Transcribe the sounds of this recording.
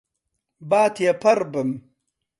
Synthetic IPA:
baːt̪ʰjapʰɐɾbəm

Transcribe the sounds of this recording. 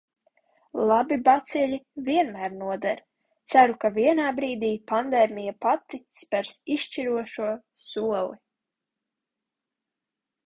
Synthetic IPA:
lˠabibat̪siʎʲiviɛnmæːɾnuɔd̪ɛɾ | t̪sæɾukaviɛnaːbɾiːd̪iːpand̪ɛːmʲijapat̪ispɛɾsiʃʃt͡ʃiɾuɔʃuɔ | suɔlˠi

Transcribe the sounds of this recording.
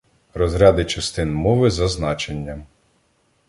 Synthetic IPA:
ɾɔzɾʲɑd̪ɪt͡ʃɐst̪ɪnmɔʋɪzɐznɑt͡ʃenʲːɐm

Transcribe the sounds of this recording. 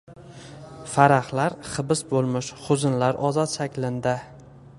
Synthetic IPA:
faɾaχlaɾχɨbɪsbolˠmɪʃχʊzɪnlaɾʔɒzɒt̪ʃakʲlɪnd̪ɪ

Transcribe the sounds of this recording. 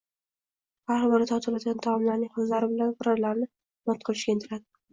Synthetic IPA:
baɾɒmɒnɪt̪ʰɒt̪ʰɪlad̪ɪɡʲant̪ʰamɒmlaɾnɪŋhazlaɾɪbɪlanfʊɾɒɾlaɾnɪ | mɒt̪̚qʰɨlˠɪʃɡʲaɪnt̪ʰɪɾad̪ɪ

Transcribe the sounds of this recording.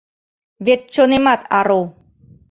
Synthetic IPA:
βet̪̚t͡ɕonemat̪ɑɾo

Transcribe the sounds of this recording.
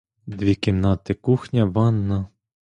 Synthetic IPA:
d̪ʋʲikʲɪnnɑt̪ɪkuxnʲɐʋɑnːɐ

